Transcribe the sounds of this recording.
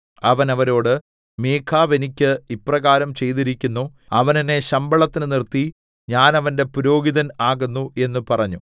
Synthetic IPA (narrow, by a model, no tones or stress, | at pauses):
ɐʋɐnɐʋɐɾo̞ːɽɨ | meːkʰaːʋe̞nikʲːɨipːrɐɣaːɾɐmt͡ɕe̞jt̪̬iɾikʲːunːu | ɐʋɐnine̞ɕɐmbɐɭɐt̪ːinɨnirt̪ːi | ɲaːnɐʋɐnde̞puɾo̞ːɡiðɐnaːɣunːuʔe̞nːupɐrɐɲːu